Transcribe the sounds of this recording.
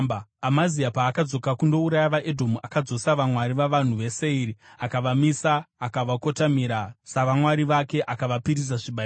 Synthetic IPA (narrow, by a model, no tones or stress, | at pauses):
bamaziapaːkad͡zo̞kakundo̞uɾajaʋaʔedʱomuʔakad͡zo̞saʋamwaɾiʋaʋan̤uʋe̞se̞iɾiakaʋamisaːkaʋako̞tamiɾasaʋamwaɾiʋake̞ʔakaʋapiɾiz̬aʐiɓa